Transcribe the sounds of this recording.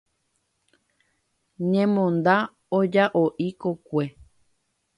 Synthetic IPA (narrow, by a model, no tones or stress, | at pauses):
ɲẽmõnd̪a | od͡ʒaʔoʔikokʷe